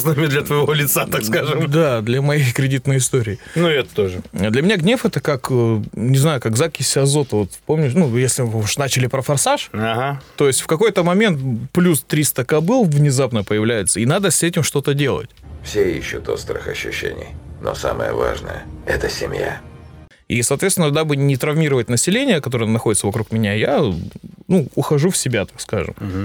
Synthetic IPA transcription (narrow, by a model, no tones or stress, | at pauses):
znamʲɪd̪lʲɐt̪vəjɪvo̞lʲɪt̪sat̪akskaʐɨmd̪ad̪lʲɐmɐjejkɾʲɪdʲit̪nəjəɪst̪o̞ɾʲɪːnuɛt̪ət̪oʐɨd̪lʲɐmʲɪnʲaɡnʲe̞fɛt̪əkaknʲɪznajʊkaɡzakʲɪsʲɪɐzo̞t̪əvo̞t̪po̞mnʲʊnujesʲlʲɪuʂnat͡ɕɪlʲɪpɾəfɐrsaʂaɦat̪o̞ɪsʲtʲfkɐko̞jt̪əmɐmʲe̞nt̪plʲust̪ɾʲist̪əkɐbɨlˠvnʲɪzapnəpəjɪvlʲæjɪt̪səinad̪əsʲɛtʲɪmʂt̪o̞t̪ədʲe̞lˠə̰tʲfsʲeiɕːʊt̪o̞st̪ɾɨ̰xɐɕːʉ̰ɕːḛnʲɪ̰jno̰samə̰jə̰vaʐnə̰jə̰ɛt̪əsʲɪmʲja̰ | ḭsɐːt̪vʲet̪st̪ʲɪnəd̪abɨnʲɪt̪ɾɐvmʲiɾəvətʲnəsʲɪlʲenʲɪjəkɐt̪o̞ɾəjənɐxo̞dʲɪt̪səvɐkɾukmʲɪnʲaja | nuʊxɐʐufsʲɪbʲat̪ḁkskaʐɨ̰m